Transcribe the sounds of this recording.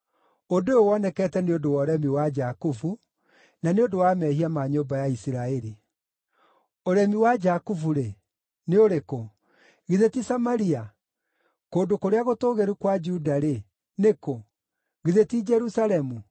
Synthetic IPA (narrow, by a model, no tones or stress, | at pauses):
odoeowɔnɛkɛːtɛneodowɔɾɛmiwad͡ʒakufu | naneodowamɛhiamaɲoːbajaisiɾaeɾi | oɾɛmiwad͡ʒakufuɾe | neoɾeko | ɣiðetisamaɾia | koːdokoɾeaɣotoːɣeɾukwad͡ʒudaɾe | neko | ɣiðetid͡ʒɛɾusaɾɛmu